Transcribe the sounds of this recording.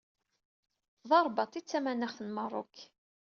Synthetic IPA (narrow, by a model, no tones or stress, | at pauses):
ðˤɑɾˤbɑt̪ˤit͡sːæmænəχθənmərˤʊ̰kː